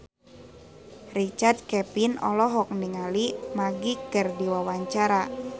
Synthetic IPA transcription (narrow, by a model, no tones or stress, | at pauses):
rit͡ʃard̪̚kɛpinɔ̰lɔɦɔk̚niŋalimaɡikərdiwawaɲt͡ʃaɾa